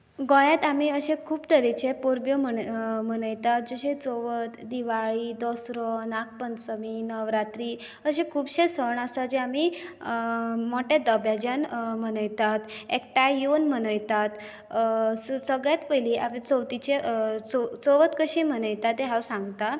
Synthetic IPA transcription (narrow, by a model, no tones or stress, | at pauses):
ɡɔ̃jat̪amiːəɕẽkʰuːbt̪əɾit͡ɕepoɾbjɔməmənəjt̪at̪̚d͡ʑoɕet͡sɔʋət̪d̪iʋaɭiːd̪ɔsɾɔnak̚pənsəminəʋɾat̪ɾiː | əɕẽkʰuːbɕesəɳasad͡ʑeami | moʈjad̪əbjad͡ʑanm̤ənəjt̪at̪ek̚ʈajonm̤ənəjt̪at̪ | səɡɭjat̪pəjliʔapet͡səwt̪it͡ɕet͡sot͡sɔʋət̪kəɕĩm̤ənəjt̪at̪eɦawsãŋɡt̪a